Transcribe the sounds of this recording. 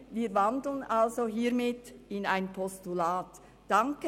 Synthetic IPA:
viːɐvɑndl̩ənʔalzoɦiːɾmɪtɪnaɪnpʰɔstulaːtː | ɑŋkə

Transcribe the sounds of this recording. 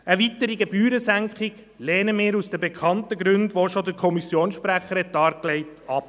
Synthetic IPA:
əʋitəɾiɡebyːɾəsæŋkχɪɡ̥ | lɛːnəmɪːɾusd̥əbekʰɑntəɡɾʉndʋoʃodəɾkʰɔmisjoːnsʃpɾæχəɾɛt̚ːɑːɾklɛɪtɑp

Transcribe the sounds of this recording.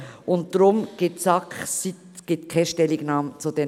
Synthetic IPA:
ʔʊnt̚d̥ɾʊmɡ̥etsɑksitɡ̥ɪt̪kʰaʃtɛlɪɡnɑːmət͡sud̪e

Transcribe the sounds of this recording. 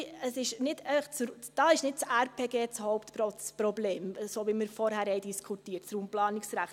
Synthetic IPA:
əsɪʃnɪdɛɪfəχt͡s | d̥ɑːɪʃnɪt̚t͡sæɾpʰeːɡeːt͡shɔʊptpɾɔt͡spɾɔbleːmsoːʋiːmɪɾfɔɾhæɾhɛɪd̥iskʰutiːətt͡sɾuːmplɑːnɪksɾæχt

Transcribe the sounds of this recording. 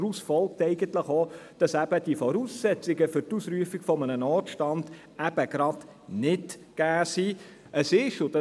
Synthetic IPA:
usfɔlk̚tɛɪɡ̥ənt̪ləχod̥ɑsæb̥əd̥iəfɔɾuːsːɛt͡sɪɡəfʏɾtusɾyəfɪɡ̥fɔmənənɔːtʃtɑnd̥ | æb̥əɡ̥ɾɑd̥ | nɪtɡ̥æːsi | ʔəsɪʃʊd̥ɑ

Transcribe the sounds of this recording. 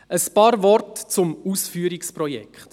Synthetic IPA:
əspɑːɾvɔrtt͡sʊmusfyːəɾikspɾɔjɛ̰kχt

